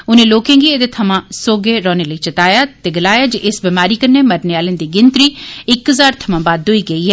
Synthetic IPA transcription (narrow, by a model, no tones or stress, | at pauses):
ʊnẽːloːkẽːɡiːeːd̪eːt̪ʰəmãːsoːɡeːɾɔ̃ːneːləiːt͡ʃət̪aːjaːt̪eːɡəlaːjaːd͡ʒeʔɪsbiːmaːɾiːkəɾneːməɾneːaːlẽːnd̪iːɡɪnt̪ɾiːɪkɦəzaːɾt̪ʰəmãːbaːd̪ɦoiːɡəiːɦɛː